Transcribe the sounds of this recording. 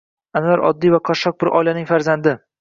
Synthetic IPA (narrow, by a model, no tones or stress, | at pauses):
anvaɾɒ̰d̪ːijvaqʰɒʃɒq̚bɪɾʔɒjlanɪŋfaɾzand̪ɪ